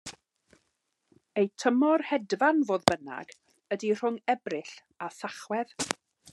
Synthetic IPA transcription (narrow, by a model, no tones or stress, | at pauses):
ejtʰəmɔrhɛdvanvoːðbəna̰ɡ | ədir̥ʊŋɛbrɪɬ | aθaχwɛð